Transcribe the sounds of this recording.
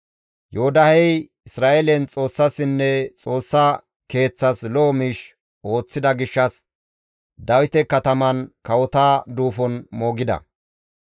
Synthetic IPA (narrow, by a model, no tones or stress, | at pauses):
johʊd̪ɐhɛj | ɪsɾaːʔelɛnt͡sʼo̞ːsːɐsɪnːɛt͡sʼo̞ːsːa | ke̞ːt͡sːɐsloːmiːʃ | o̞ːt͡sːɪd̪ɐɡɪʃːɐs | d̪ɐwɪt̪ɛkɐt̪ɐmɐnkɐwɔt̪aːd̪uːfɔnmo̞ːɡɪd̪ɐ̰